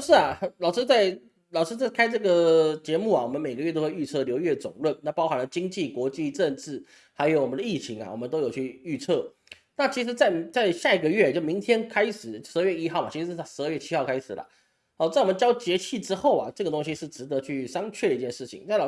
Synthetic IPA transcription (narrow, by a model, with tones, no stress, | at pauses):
ʂɻ̩˥˩a˨˩˧lɑ˨ʊʂɻ̩˥t͡sa˥˩ɪ | lɑ˨ʊʂɻ̩˥t͡sa˥˩ɪkʰa˥ɪʈ͡ʂɤ˥˩ɡə˩t͡ɕjɛ˧˥mu˥˩a˩wɔ˨˩mə˦nme˨˩ɪɡə˩ɥɛ˥˧t̪o˥ʊxwe˧y˥˧t͡sʰɤ˥˩˧ljo˧˥ʊɥɛ˥˩t͡sʊ̰˨˩ŋlwə˥˩nna˥˩pɑ˥ʊxa˧˥nlə˧t͡ɕi˥ŋt͡ɕi˥˩kwɔ˧˥t͡ɕi˥˧ʈ͡ʂə˥˧nʈ͡ʂɻ̩˥˩ | ha˧˥ɪjo˧˥ʊwɔ˨˩mə˦nd̪ə˧i˥˩t͡ɕʰi˧˥ŋa̰˨wɔ˨˩mə˦nt̪o˥ʊjo˨˩ʊt͡ɕʰy˥˧y˥˧t͡sʰɤ˥˩ | na˥˩t͡ɕʰi˧˥ʂ̬ɻ̩˧˥t͡sa˥˩ɪt͡sa˥˧ɪɕja˥˩i˨˥ɡə˧ɥɛ˥˩t͡ɕjo˥˩ʊmi˧˥ŋt̪ʰjɛ˥nkʰa˥ɪʂɻ̩˨˩ʂɻ̩˧˥˧ɥɛ˥˩i˥xɑ˥˩ma˨˩t͡ɕʰi˧˥ʂɻ̩˧˥ʂ̩˥˩˥ʂɻ̩˧˥ə˥˧ɥɛ˥˩t͡ɕʰi˥xɑ˥˩ʊkʰa˥ɪʂɻ̩˨˩lə̰˦ | ɑ˨˩˥ɔ˨mə˦nt͡ɕjɑ˥ʊt͡ɕjɛ˧˥t͡ɕʰi˥˩ʈ͡ʂɻ̩˥xo˥˩ʊa̰˩ʈ͡ʂɤ˥˩ɡə˩t̪ʊ˥ŋɕi˥ʂɻ̩˥˩ʈ͡ʂɻ̩˧˥t̪ɤ˧˦t͡ɕʰy˥˩ʂɑ˥ŋt͡ɕʰɛ˥˩də˧i˥˩t͡ɕjɛ˥˧nʂɻ̩˥˩t͡ɕʰḭ˨˩ŋt͡sa˥˩ɪlɑ˨˩